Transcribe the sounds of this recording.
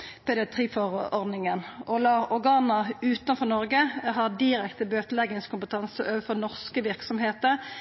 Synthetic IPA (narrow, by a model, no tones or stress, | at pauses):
pʰɛd̪ɪɑt̪ʰʁiːfɔʁɔʁd̪nɪŋənʔɔlɑɔɡɑːnɑʉːt̪ɑnfɔnɔʁɡəɦɑd̪ɪɾɛkt̪əbøːt̪əlɛɡəŋskʰʊmpət̪ʰɑnsəøːʋəfɔʁnɔʁskəʋɪʁksɔmheːt̪əʁ